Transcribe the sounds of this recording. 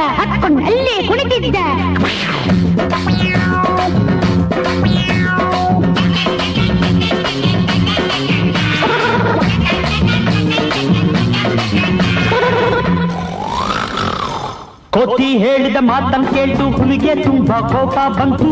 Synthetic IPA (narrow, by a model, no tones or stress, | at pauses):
ɐʔɐkuɳɐlːeːkuɳit̪id̪ːɐ | kot̪ːiɦeːɭid̪ɐmaːt̪ːɐnkeːɭt̪ukuniɡeːt̪umbɐkoːpaːbʱɐnt̪u